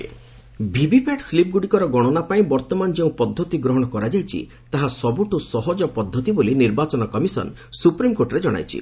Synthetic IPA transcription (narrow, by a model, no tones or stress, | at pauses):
bʱibipʰaʈslip̚ɡuɽikɔɾɔɡɔɽ̃ɔnapaĩbɔɾt̪ɔmanɔd͡ʒeũpɔd̪ʱːɔt̪iɡɾɔɦɔɽ̃ɔkɔɾad͡ʒajt͡ʃʰḭ | t̪aɦasɔbuʈusɔɦɔd͡ʒɔpɔd̪ʱːɔt̪iboliniɾbat͡ʃɔnɔkɔmisɔ̰n | supɾimkoɾʈɔɾed͡ʒɔɽ̃a̰jt͡ʃʰḭ